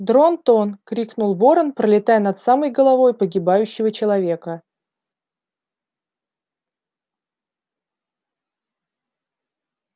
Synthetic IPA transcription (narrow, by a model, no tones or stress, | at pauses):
d̪ɾont̪onkɾʲiknʊlˠvo̞ɾənpɾəlʲɪt̪ajənɐt̪saməjɡəlˠɐvo̞jpəɡʲɪbajʉɕːɪvət͡ɕɪlˠɐvʲe̞kə